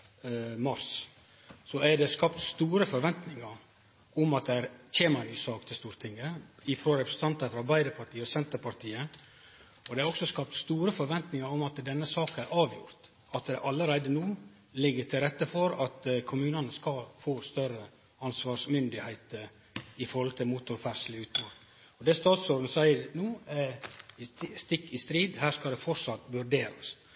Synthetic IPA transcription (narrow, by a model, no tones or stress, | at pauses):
mɑɾs | sɔæɖɛskɑpt̪st̪uːɾəfɔɾʋɛnt̪nɪŋɑɾ | ʊmɑt̪̚d̪ɛæɾçeːmɑnyːsɑːkt̪ʰɪst̪uːɾt̪ʰɪŋːəɪfɾoːɾɛpɾəsn̩t̪ɑnt̪ɑfɾɑɾbæɪd̪əɾpʰɑʈʰiːəɔsɛnt̪əɾpʰɑɾt̪ʰiːə | ɔd̪ɛæɾɔksɔskɑp̚t̪st̪uːɾəfɔɾʋɛnt̪nɪŋɑɾʊmɑt̪d̪ɛnːəsɑːkənæɾʔɑːʋjʊɾt̪ | ɑt̪d̪ɛʔɑləɾæɪd̪ənuː | lɪɡːəʈʰɪlɾɛt̪ːəfɔɾɑt̪kʰʊmʉːnənəskɑfoːst̪œɾə | ɑnsʋɑːʂmʏnd̪ɪhæɪt̪əɾ | ɪfɔɾhɔlt̪ʰɪlmut̪ʊɾfæʂlɪʉːt̪no | ɔd̪ɛst̪ɑːt̪sɔɾd̪ən̩sæɪəɾnuː | st̪ɪkːɪst̪ɾiːd̪hæːʂkɑld̪ɛfɔɾsɑt̪ːʋʉɾɖeːɾə̰s